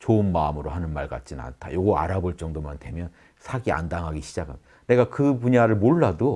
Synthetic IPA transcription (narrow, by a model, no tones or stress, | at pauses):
t͡ɕoɯnmaɯmɯɾohanɯnmaɭɡa̰t̚t͡ɕ͈ina̰ntʰa̰joɡʌa̰ɾaboɭt͡ɕ͈ʌŋdomantwe̞mjʌn | sʰaɡia̰ndaŋɦaɡiɕʰid͡ʑakʰamid̥ane̞ɡakɯpuɲaɾɯɭmoɭːado